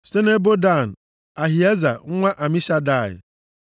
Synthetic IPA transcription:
se˦ne˦bo˦da˦˨n̩˨ | a˨ɦi˨e˦za̰˨ŋ̩˦ŋʷa˦ʔa˨mi˦ʃa˦da˦˨ɪ̰˨

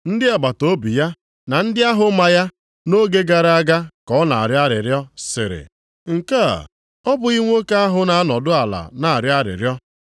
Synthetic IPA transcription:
n̩˦dɪ˦e˨ɡ͡ba˨to˦bi˨ja˦ | na˨n̩˦dɪ˦a˦ɦʊ˦ma˨ja˦ | no˦ɡe˦ɡa˨ɾa˦ɡa˦kɔ˨˦na̰˨a˨ɾja˦ɾɪ˨ɾjɔ˦sɪ̰˨ɾɪ̰˨ | ŋ̩˨ka̰˦˨ | ɔ˦bʊ˨i˦ŋʷo˦ke˦a˦ɦʊ˨na˨˦nɔ˨dʊ˦a˨la̰˨na˨a˨ɾja˦ɾɪ̰˨ɾjɔ˦

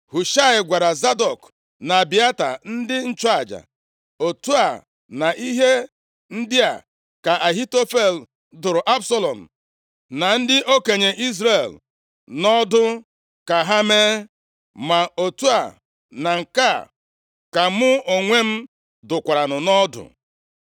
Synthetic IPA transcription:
hu˨ʃa˦ɪ˨ɡʷa˨ɾa˨za˦dɔ˨k | na˨bi˨a˦ta̰˨n̩˦dɪ˦n̩˦t͡ʃʊ˦a˨d͡ʒa̰˨ | o˨tu˦a˨ | na˨ʔi˦ɦe˦ | n̩˦dɪ˦a̰˨ | ka˨ʔa˨ɦi˦to˦fe˦˨l | dʊ˨ɾʊ˨ʔa˦bsɔ˦lɔ˨m̩˨ | na˨n̩˦dɪ˦ʔo˦ke˨ɲe˨ʔi˦zɾe˨l | nɔ˦dʊ˦ | ka˨ɦa˦meː˦ | ma˨o˨tu˦a̰˨ | na˨ŋ̩˨ka˦˨ | ka˨mʊ˦o˨ŋʷe˦m̩˦ | dʊ˨kʷa˨ɾa˨nʊ˨nɔ˦dʊ̰˨

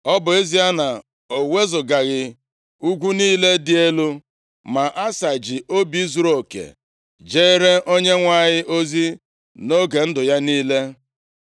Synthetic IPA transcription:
ɔ˦bʊ˨e˦zi˦a˦na˨ | o˨we˦zʊ˨ɡa˨ɣɪ˨ | u˦ɡʷu˦niː˦le˦dɪ˨e˦lu˦ | ma˨ʔa˦sa˨d͡ʒɪ˨ʔo˦bi˦zu˨ɾo˨kḛ˨ | d͡ʒe˦e˦ɾe˦ʔo˦ɲe˦ŋʷa˦˨ɲɪ˦ʔo˦zi˦ | no˦ɡe˨n̩˦dʊ˨ja˦niː˦le˦

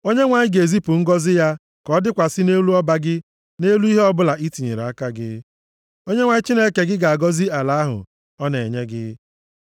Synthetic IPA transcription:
o˦ɲe˦ŋʷa˨ɲɪ˦ɡe˨zi˦pu˨ŋ̩˦ɡɔ˦zɪ˦ja˦ | kɔ˨˦dɪ˦kʷa˨sɪ˦ne˦lu˦ɔ˦ba˦ɡɪ˦ | ne˦lu˦i˦ɦe˦ɔ˦bʊ˦la˨ʔi˦ti˨ɲe˨ɾa˨a˦ka˦ɡɪ̰˦ | o˦ɲe˦ŋʷa˨ɲɪ˦t͡ʃi˦ne˦˨ke˨ɡɪ˦ɡa˨a˨ɡɔ˦zi˦a˨la˨˦a˦ɦʊ̰˨ | ɔ˦ne˨ɲe˦ɡɪ˦

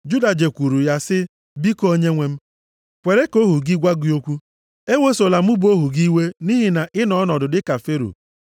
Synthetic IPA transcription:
d͡ʒu˦da˨d͡ʒe˨kʷu˨ɾu˨ja˦sɪ˦ | bi˦ko˦o˦ɲe˦ŋʷe˦m̩˦ | kʷe˨ɾe˦ko˦ɦu˨ɡɪ˦ɡʷa˦ɡi˨˦o˦kʷu˦ | e˦ŋo˦so˨la˨mu˦bo˦ɦu˨ɡi˦we˦ni˦ɦi˨na˨ʔɪ˦nɔ˦nɔ˨dʊ˨dɪ˦ka˨fe˦ɾo̰˨

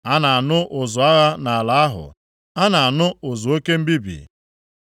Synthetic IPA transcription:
a˦na˨a˨nʊ˦ʔʊ˨zʊ˨a˦ɣa˦na˨a˨la˨a˦ɦʊ̰˨ | a˦na˨a˨nʊ˦ʊ˨zʊ˨o˦ke˦m̩˦bi˦bḭ˨

